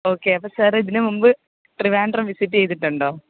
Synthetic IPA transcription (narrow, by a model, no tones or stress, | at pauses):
oːkːeːɐpːoːsaːɾiðinɨmumbɨ | ʈriʋaːɳɖɐrɐmʋisit̬ːiejt̪̬ːiʈːuɳɖoː